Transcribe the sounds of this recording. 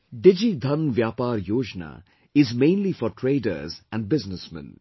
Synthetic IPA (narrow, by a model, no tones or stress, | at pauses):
ɖɪd͡ʒid̪ʱɐnʋjaːpaːɾjoːd͡ʒna̰ | ɪzmẽːnlifɔɾʈʰɾeːɖə̰ɾzɛ̃nɖ̚bɪznəsmɛ̰̃n